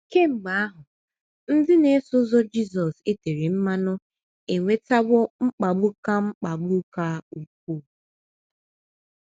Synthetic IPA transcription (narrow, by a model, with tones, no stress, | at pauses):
ke˦ŋ͡m̩˨ɡ͡ba˨˦a˦ɦʊ˨ | n̩˦dɪ˦ne˨˦sʊ˦zɔ˦d͡ʒi˦z̬ɔ˨se˦te˨ɾe˨m̩˦ma˦nʊ˦ | e˨ŋʷe˦ta˦ɡʊ˦ŋ͡m̩˦k͡pa˨ɡ͡bʊ˦ka˦ŋ͡m̩˦k͡pa˨ɡ͡bʊ˦ka˦u˨k̚ʷu˦˨